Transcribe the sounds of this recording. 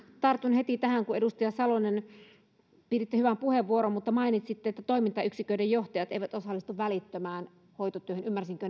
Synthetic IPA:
t̪ɑrt̪ːˑunhet̪it̪æhæŋkuedust̪ijɑsɑlonen | piːrit̪ːehyʋæmpuheʋʋuoɾommut̪ːɑmɑinit̪sit̪ːeet̪ːæt̪oimint̪ɑyksikøidejjoht̪ɑjɑt̪eiʋæt̪osɑlːˑist̪uʋʋælit̪ːømæːn | hoit̪ot̪yøhønymːærsiŋkø

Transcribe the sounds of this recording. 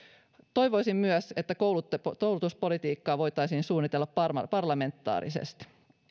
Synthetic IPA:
t̪o̞jʋo̞jsimmyœse̞t̪ːækowlut̪ːekowlut̪uspo̞lit̪iːkːɑːʋo̞jt̪ɑjsiːnsuːnːit̪elːɑppɑrɑ̰pɑrlɑme̞nt̪ːɑ̰ːɾḭsḛst̪

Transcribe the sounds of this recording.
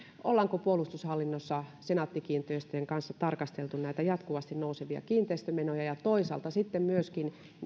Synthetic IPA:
ʔolːɑŋkopuolust̪ushɑlːinːosːɑsenɑt̪ːikiːnt̪eist̪øeŋkɑnsːɑt̪ɑrkɑst̪elt̪unnæit̪æjɑt̪kuʋɑst̪innouseʋiɑ̰kiːnt̪eˑist̪ømenojɑjɑt̪oisɑ̰lt̪ɑsit̪ːemmyøskin

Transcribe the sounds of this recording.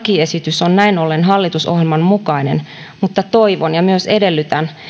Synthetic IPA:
kie̞sit̪ysonnæinolːenɦɑlːit̪uso̰hjelmɑnmukɑinḛn | mut̪ːɑt̪o̞iʋonjɑmyøse̞delːyt̪æn

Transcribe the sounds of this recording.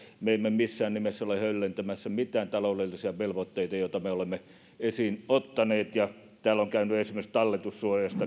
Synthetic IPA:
meˑimːemisːæːnnimesːæolehølːent̪æmæsːæmit̪ˑæːnt̪ɑloˑlelːisiɑʋelʋot̪ːeˑit̪ɑjoˑt̪ɑmeolemːe | esiːnot̪ːɑneːt̪jɑ | t̪æːloŋkæˑynyesimˑest̪ɑlːet̪ussuojɑst̪ɑ

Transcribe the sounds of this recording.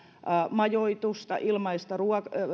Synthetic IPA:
mɑjoit̪ust̪ɑ̰ʔilmɑist̪ɑruɑk

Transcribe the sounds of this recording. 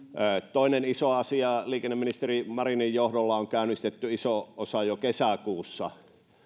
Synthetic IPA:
əːt̪oˑinenisoɑsiɑliːkenːeminist̪erimɑrinijjohdolːɑoŋkæˑynːˑist̪et̪ːyisoosɑjokesækuːsːɑ

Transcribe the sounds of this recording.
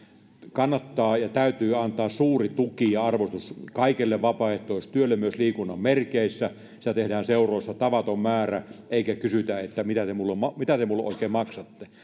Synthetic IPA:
kɑnːɑt̪ːɑːjɑt̪æyt̪yːɑnt̪ˑɑːssuːrit̪ukijɑɑrʋost̪uskɑikelːeʋʋɑpɑeht̪oˑist̪yølːemyøsliːkunːɑmmerkeisːæ | si̥t̪æt̪ehdæːnseˑurˑoˑisːɑt̪ɑʋɑt̪ommæːræʔeˑikækysyt̪æet̪ːæmit̪æt̪emulːemɑmit̪æt̪emulːeʔoˑikeːmmɑksɑt̪ːe

